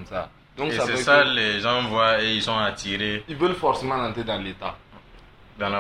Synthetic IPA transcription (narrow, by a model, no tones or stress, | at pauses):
m̩sa | dɔ̃ŋkssaesalɛʒãvwaeisɔ̃atiɾeivəlfɔɾsemãnãtedãleta | dãla